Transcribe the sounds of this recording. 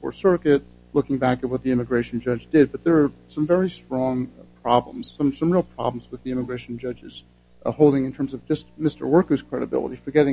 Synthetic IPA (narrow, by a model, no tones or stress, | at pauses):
fə̰˞sɜ˞kɨt̚ | lʊkɪ̃ŋbækɨt̚wʌt̪̚ðiɪ̃mɨɡɹeɪʃn̩d͡ʒʌd͡ʒdɪd̚bʌt̪̚ðə˞ːsʌ̃ɱvɛɹistɹ̥ɔ̃ŋpʰɹ̥ɑblə̰̃mz̥sʌ̃msʌ̃mɹilˠpʰɹ̥ɑ̰blm̩zwəðiɪ̃mɨɡɹeɪʃn̩d͡ʒʌd͡ʒɨz̥ | hoʊlˠdɪ̃ŋɨ̃ntʰɜ̃˞mzʌvd͡ʒʌst̚mɪstə̰˞wɜ˞kʉz̥kʰɹ̥ɛɾɨbɪ̰lˠə̰ɾifə˞ɡɛɾɪ̃